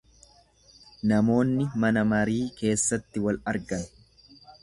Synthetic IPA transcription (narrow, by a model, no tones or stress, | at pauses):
nɐmo̞ːnːɪmɐnɐmɐɾiːke̞ːsːɐt̪ːɪwɐlɐɾɡɐn